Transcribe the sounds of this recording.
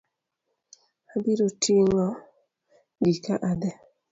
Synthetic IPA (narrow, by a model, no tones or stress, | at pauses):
abiɾotʰiŋɔ | ɡikaʔadɛ